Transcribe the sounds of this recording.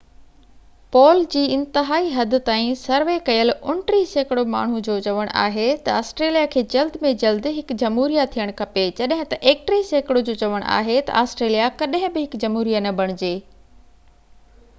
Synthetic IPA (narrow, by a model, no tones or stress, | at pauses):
pɔːld͡ʑiːɪ̃nt̪ɪɦaːiɦɐd̪ɪ̆t̪aːĩsɐɾʋekɐjəlʊɳʈɾiseːkɪɽoma̰ːɳ̤ud͡ʑoːt͡ɕɐʋəɽ̃ʔa̰ːɦet̪ɐaːsʈɾeːlijakʰeːd͡ʑɐld̪ɪmẽd͡ʑɐld̪ɦɪkd͡ʑɐmɦuːɾijat̪ʰijəɽ̃kʰɐpet͡ɕɐɗɦɪ̃t̪ɐʔeːk̚ʈɾiseːkɪɽod͡ʑoːt͡ɕɐʋəɽ̃ʔa̰ːɦet̪ɐ̰ʔaːsʈɾeːlijakɐɗɦɪ̃bɪɦɪkd͡ʑɐmɦuːɾijanɐbʱɐɽ̃d͡ʑeː